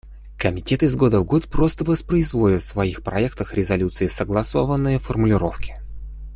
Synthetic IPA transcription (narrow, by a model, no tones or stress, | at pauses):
kəmʲɪtʲe̞t̪ɪzɡo̞d̪əvɡo̞t̪pɾo̞st̪əvəspɾəɪzvo̞lʲɪt̪fsvɐixpɾɐɛkt̪əxɾʲɪzɐlʲut̪sɨɪsəɡlˠɐso̞vənːɨjəfərmʊlʲɪɾo̞fkʲɪ̥